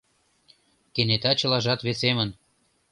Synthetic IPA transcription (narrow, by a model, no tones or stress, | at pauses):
kenet̪ɑt͡ɕɤ̆lɑʒɑt̪βesemən